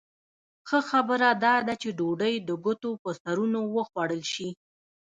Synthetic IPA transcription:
xəxabəɾad̪ɑd̪at͡ʃeɖoɖəjd̪əɡʊt̪opəsaɾunowəxwɑɽəlʃi

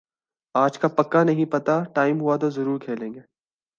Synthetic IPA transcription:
aːd͡ʒkapɐkːanɐɦĩpɐt̪aʈaːɪmɦʊat̪̬ozɐɾuːɾkʰeːlẽːŋɡeː

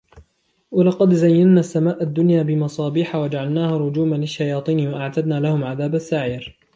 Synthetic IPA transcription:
walɑqɑd̪zajːannaːsːamaːʔad̪ːʊnjaːbɪmɑsˤɑːbiːħawad͡ʒaʕalnaːhaːɾˤʊd͡ʒuːmalɪʃːajɑːt̪ˤiːnwaʔaʕt̪ad̪naːlahʊmʕaðaːbasːaʕiːɾ

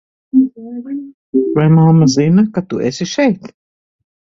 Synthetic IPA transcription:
vajmamːazinɐkat̪uʔesiʃɛjt̪

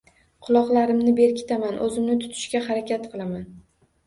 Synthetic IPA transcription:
qʰʊlˠɒqlˠaɾɪmnɪbe̞ɾkʲʰɪ̥t̪ʰamanʔɵzɪmnɪt̪ʰʊ̥t̪ʰɪ̥ʃkʲaɦaɾakʲʰat̪qʰɨlˠaman

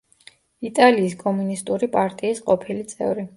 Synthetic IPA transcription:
it̪ʼaliːskʼɔmunist̪ʼuɾipʼaɾt̪ʼiːsqʼɔpʰilit̪sʼɛ̰vɾi

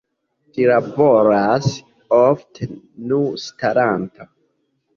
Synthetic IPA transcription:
tilaboɾas | ofte | nustaɾantʰa

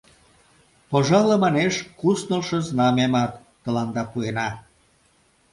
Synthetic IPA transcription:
poʒɑləmɑneʃkusnolʃəznɑmemɑt̪ːə̆lɑnd̪ɑpuenɑ

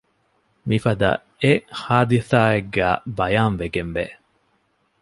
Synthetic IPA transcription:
mifɐd̪ɐ̰ | ehaːd̪iθaːeɡːæ̰ːbɐjaːnʋeɡenʋḛ

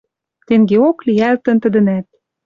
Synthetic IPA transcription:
t̪eŋɡeokliælt̪ə̆nt̪ə̆d̪ə̆næt̪̚

